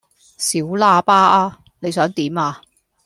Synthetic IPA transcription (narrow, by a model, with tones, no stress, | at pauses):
siː˨˥wlaː˧paː˥ʔaː˧ | ne˨˧jsœː˨˥ŋt̪iː˨˥maː˧